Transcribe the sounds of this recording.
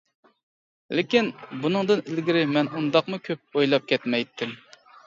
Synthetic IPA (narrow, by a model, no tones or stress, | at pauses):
lɪkʲinbunɨŋd̪ɨnɪlɡʲiɾɪmɛnund̪ɑqmukʲʰøp̚ojlˠɑp̚kʲʰɛt̪mɛjt̪ʰːɪm